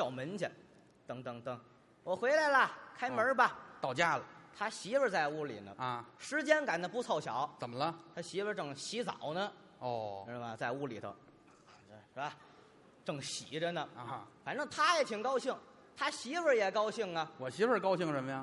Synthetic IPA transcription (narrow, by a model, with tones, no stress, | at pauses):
ɕjɑ˨˩ʊmə˧˥nt͡ɕɛ̰˧˩n | t̪ɤ˧˩ŋt̪ɤ˧˩ŋt̪ɤ˧˩ŋ | wɔ˨˩xwe˧˥ɪla˧˥ɪlɐ˨kʰa˥ɪmə˞˧˥bɐ˧t̪ɑ˨˩ʊt͡ɕja˥˩lə˨˩t̪ʰa˥ɕi˧˥bə˧t͡sa˥˧ɪu˥˩lḭ˨˩nə̰˦˥˧ʂɻ̩˧˥t͡ɕjɛ˥nka˨˩nd̪ə˧pu˧˥t͡sʰɑ˨˩ʊɕjɑ˧˥˦ʊt͡sə˨˩mə˦lə˧t̪ʰa˥ɕi˧˥bə˧ʈ͡ʂɤ˨˩ŋɕi˧˥t͡sɑ̰˨˩˦ʊnə˧ | ɔ˧˩ʂ̩˥˧˩mɐ˧˩t͡sa˥˧ɪu˥˩li˨˩t̪ə̰˧˥˧ | ʂ̩˥ba˧ | ʈ͡ʂɤ˨˩ŋɕḭ˨˩˦ʈ͡ʂə˧nə˧fa˨˩nʈ͡ʂɤ˥˩ŋt̪ʰa˥jɛ˨˩t̪ʰi˨˩ŋkɑ˥ʊɕi˥˩ŋ | t̪ʰa˥ɕi˧˥bə˧jɛ˨˩kɑ˥ʊɕi˥˩ŋɐ˨˩wɔ˨˩ɕi˧˥bə˧˩kɑ˥ʊɕi˥˩ŋʂə˧˥nmə˧ja˨˧